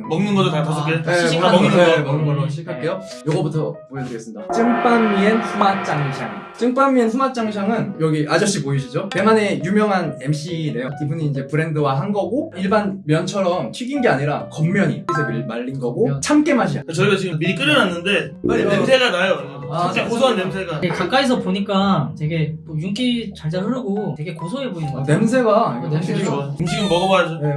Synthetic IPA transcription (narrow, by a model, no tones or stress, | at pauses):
mʌŋnɯnɡʌt͈okatʰas̬ʰʌkɯetʰeiaamʌŋnɯnɡʌɾaɕʰiikʰaɭk͈e̞jo | jʌɡʌbutʰʌpojʌdɯɾiɡes͈ɯmɲidat͡ɕ͈ɯŋp͈amːienɸumat͡ɕ͈aŋɕʰa̰ŋt͡ɕ͈ɯŋp͈amːie̞nɸumat͡ɕ͈aŋɕʰaŋɯnjʌɡiʔad͡ʑʌɕ͈ipoiɕ̬ʰid͡ʑope̞ŋanejumjʌŋɦane̞mɕ͈ʰine̞jokibuniːnd͡ʑe̞pɯɾe̞ndɯwaɦanɡʌɡoiɭbanmjʌnt͡ɕʰʌɾʌmt͡ɕʰɥiɡinɡe̞aɲiɾakʌmːjʌɲiesʰʌbiɭmaʎːinɡʌɡot͡ɕʰamk͈emaɕ̬ʰiakat͡ɕʌiɡat͡ɕiɡɯmiɾik̬͈ɯɾɯnanːɯnde̞anemsʰe̞ɡanajooaaekosʰoanːemsʰeɡaekak͈ais̬ʰʌpoɲik͈ateɡe̞ojuŋk͈it͡ɕaɭd͡ʑaɦɯɾɯɡote̞ɡe̞kosʰoeboinane̞msʰe̞ɡanemʰeɕʰiɡɯmmʌɡʌbad͡ʑoe